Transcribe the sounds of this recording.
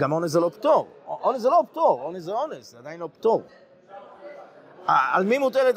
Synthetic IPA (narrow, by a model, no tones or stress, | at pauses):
ɡamo̞neszelopt̪oʁʔoneszelopt̪oʁoneszeonesead̪ajinlopt̪oʁ | aalmimutelet̪